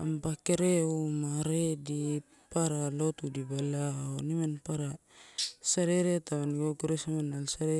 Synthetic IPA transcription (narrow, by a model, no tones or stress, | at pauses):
ampakeɾeumaɾedi | paɾalotudibalaonimanpaɾa | saɾeɾetaβanɡokuɾesamanalsaɾe